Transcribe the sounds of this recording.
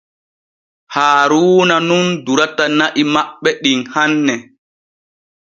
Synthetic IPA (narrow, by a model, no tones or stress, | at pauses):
haːɾuːnanunduɾatanaʔimaɓːɛɗinhanːɛ